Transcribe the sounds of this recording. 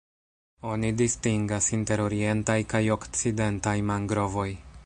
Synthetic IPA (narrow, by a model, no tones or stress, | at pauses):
o̞nidistiŋɡasinte̞ɾo̞ɾie̞ntajkajo̞kt͡side̞ntajmaŋɡɾo̞vo̞j